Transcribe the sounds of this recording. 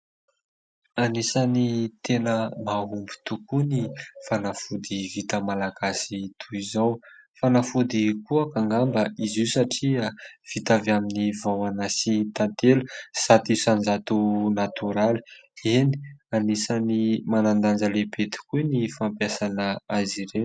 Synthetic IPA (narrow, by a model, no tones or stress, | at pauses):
anisanit̪ʰenəmaɦumbi̥t̪ukunifanafud̪ivit̪əmalaɡ̥asit̪ʰuizawfanafud̪ikuakaŋɡambəʔizisaʈ͡ʂiav̥it̪avaminivawanasit̪ant̪elusat̪isand͡ʒat̪unat̪uɾali̥eni̥anisanimanand̪and͡ʒəlebet̪i̥kunifampjasanəaziɾe